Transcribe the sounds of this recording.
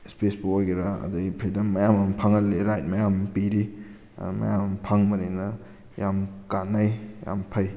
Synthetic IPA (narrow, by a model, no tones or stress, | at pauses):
spesbuojɡeɾaɐ̰dɐpʰɾidɐmːɐjamɐmpʰaŋɐlːeɾajt̚mɐjampiɾḭ | mɐ̰jamɐmpʰaŋmɐɾenɐ | jamkanːajja̰mpʰɐj